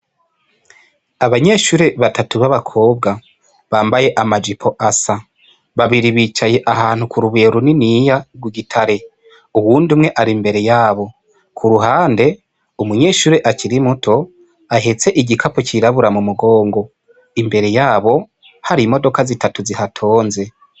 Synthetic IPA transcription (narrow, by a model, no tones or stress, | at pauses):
aβaɲe̞ːʃuɾe̞βatʰatuβaβakʰo̞ːbɡa | βaːmbaje̞ʔamad͡ʒipʰo̞ʔasa | βaβiɾiβiːt͡ʃaje̞ʔahaːn̥hukuɾuβeːɾuninijaɡwiɡitʰaɾe̞ | uwuːndumŋe̞ʔaɾimbe̞ɾe̞jaːβo̞ | kʰuɾuɦaːnde̞ | umuɲe̞ːʃuɾe̞ʔaciɾimutʰo̞ | aɦet͡se̞ʔiɟikʰapociɾaβuɾamumuɡo̞ːŋɡo̞ | imbe̞ɾe̞jaːβo̞ | haɾimo̞do̞kazitatuzihatʰo̞ːnze̞